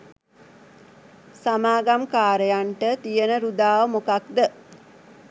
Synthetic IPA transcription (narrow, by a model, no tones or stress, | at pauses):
samaːɡamkaːɾejaɳʈət̪ijənəɾud̪aːʋəmokakd̪ə